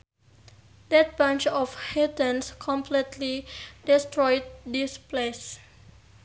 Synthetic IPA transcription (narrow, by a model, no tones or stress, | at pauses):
dɛt̚bãnt͡ʃɔfhedə̃nskʰɔ̃mpʰlitʰlidistɹɔjd̚disples